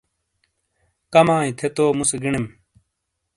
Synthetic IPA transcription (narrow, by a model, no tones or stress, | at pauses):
kɐmãːĩt̪ʰet̪oːmuseɡiɳim